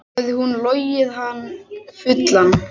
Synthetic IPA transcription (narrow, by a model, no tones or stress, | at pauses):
ðɪhunloːjɪðɦanːfʏt̪lan